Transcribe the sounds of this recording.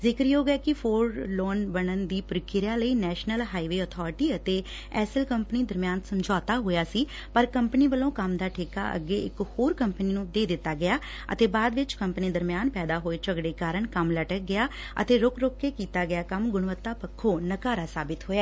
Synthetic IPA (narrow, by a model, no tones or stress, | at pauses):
zɪkɾiːoːɡɛːkɪfʰoːɾloːnbəɽənd̪iːpʊɾkɪɾjãːləiːnɛːʃnəlɦaːiːʋeːɔːt̪ʰɔːɾɪʈiːət̪eː | ɛːsəlkəmpəniːd̪əɾmɪjaːnsəmd͡ʒɔːt̪aːɦoːjaːsiː | pəɾkəmpəniːʋəlõːkəmd̪aːʈʰɪːka̰ːʔə̰ɡːeːɪ̰khoːɾkəmpniːnũːd̪eːd̪ɪt̪ːaːɡɪjaː | ə̰t̪eːbaːd̪ʋɪt͡ʃkəmpniːd̪əɾmjaːnpɛːd̪aːɦoːeːt͡ʃəɡɽeːkaːɾəɳkəmləʈək̚ɡɪjaː | ə̰t̪eːɾʊkɾokːeːkiːt̪aːɡɪjaːkəmɡʊɳʋət̪ːaːpəkʰːoːnəkaːɾaːsaːbɪt̪ɦoːaː